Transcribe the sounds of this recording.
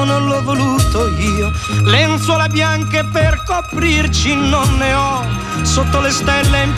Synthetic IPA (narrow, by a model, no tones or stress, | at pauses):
nonlɔvːoluːt̪oiːo | lent̪swɔlebjaŋkeperkopɾirt͡ʃinonːeɔ | sot̪ːolest̪ɛlːem